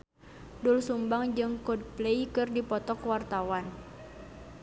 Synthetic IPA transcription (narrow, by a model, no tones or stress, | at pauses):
dulsumbaŋd͡ʒɨŋkɔd̚pleikɨrdipɔt̪ɔkwart̪awan